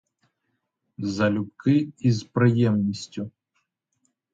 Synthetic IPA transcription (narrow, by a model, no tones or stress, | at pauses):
zɐlʲupkɨizpɾɨjɛmnʲisʲt͡sʲu